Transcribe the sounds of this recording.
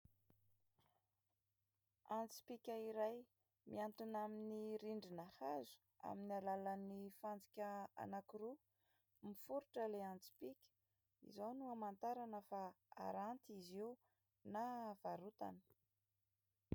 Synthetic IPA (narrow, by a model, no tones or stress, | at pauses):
ant͡si̥pikʲaiɾaj | miant̪inaminiɾiɳɖ͡ʐinahazu̥ | a̰minialalanifand͡zi̥kʲəa̰nakiru | mifuɾuʈ͡ʂəleant͡si̥pikʲə̥ | ḭzawnuamant̪aɾanəfaa̰ɾant̪izi | nav̥aɾut̪a̰nə̥